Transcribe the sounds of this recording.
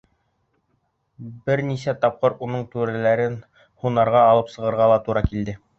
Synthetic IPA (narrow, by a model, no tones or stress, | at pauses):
bɘɾnisæt̪ɑp̚qɤɾunɤɴt̪ʉɾælæɾɘn | hunɑɾʁɑːlˠɤpsɤ̆ʁɤ̆ɾʁɑlˠɑt̪uɾɑkild̪ɘ